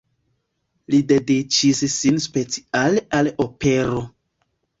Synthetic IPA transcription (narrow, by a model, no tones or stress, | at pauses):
lide̞dit͡ʃissinspe̞t͡si̥alealope̞ɾo